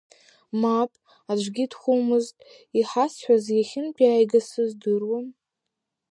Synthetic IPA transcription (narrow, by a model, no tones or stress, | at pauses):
mapʼ | ad͡ʒʷɡʲidχʷumɨztʼ | iħasħʷᶣazjaχʲɪnpʰʲʼiaːjɡasɨzdɨrwam